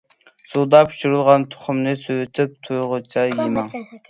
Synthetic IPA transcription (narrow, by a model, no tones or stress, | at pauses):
sud̪ɑpʰy̥ʃuɾɨlˠʁɑnt̪ʰʊ̥χʊmnɨsøwɪt̪ʰɪp̚t̪ʰujʁʊt͡ʃʰɑjimɑŋ